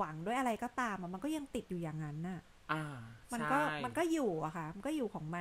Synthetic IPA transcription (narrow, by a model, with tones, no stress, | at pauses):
a˩˦ŋdu˥˩əjʔa˧ɾa˧jkɔː˥˩t̪aː˧mʔa˨˩ma˧nkɔː˥˩ja˧ŋt̪i˨˩t̪̚juː˨˩jaː˨˩ŋːa˦˥nʔa˨˩ | ʔa˧ma˧nkɔː˥˩ma˧nkɔː˥˩juː˨˩ʔa˨˩kʰa˥˩ma˧nkɔː˥˩juː˨˩kʰɔː˩˦ŋma˧